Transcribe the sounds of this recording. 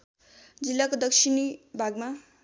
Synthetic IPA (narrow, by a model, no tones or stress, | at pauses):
d͡zilːakod̪ʌksʰinibʱaɡma